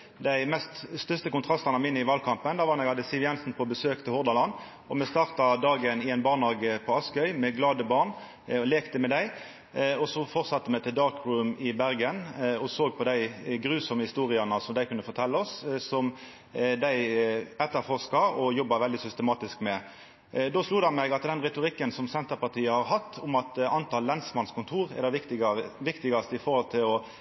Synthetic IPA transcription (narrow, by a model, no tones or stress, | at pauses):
d̪æɪmɛst̪st̪œst̪əkʊnt̪ʁɑst̪ɑnəmɪnːəɪʋɑlkʰɑmpənd̪ɑːʋɑnɛɡhɑd̪ːəsɪʋjɛnsn̩pʰɔbəsøːkt̪ʰɪlhɔʁd̪ɑlɑn | ɔmɛst̪ɑːʁt̪ɑd̪ɑːɡənɪæɪnbɑːʁnɑːɡəpʰɔɑskœʏmɛɡlɑːd̪əbɑːʁn | ɔleːkt̪əmɛd̪æɪ | ɔsɔfɔʁsɑt̪ːəmæɪt̪ɪld̪ɑːʁkʁʉmɪbæʁɡənɔsoːɡ̚pʰɔd̪æɪɡɾʉːsɔməhɪst̪uːʁɪɑnəsɔmd̪æɪkʉnəfɔt̪ʰɛlːəɔssɔm | d̪æɪɛt̪ːəɾfɔʁʂkɑɔjɔbːɑʋɛld̪ɪsʏst̪əmɑːt̪ɪskmɛ | d̪oːsluːd̪ɑnmɛɡɑt̪d̪ɛnʁɛt̪ʊɾɪkːənsɔmsɛnt̪əɾpɑt̪ʰiːəhɑɾɦɑt̪ːʊmɑt̪ɑnt̪ʰɑːlːɛnsmɑnskʰʊnt̪ʰuːʁɛ̰ʁd̪ɑ | ʋɪkt̪ɪɡɑst̪əɪfɔɾhɔlt̪ʰɪlɔ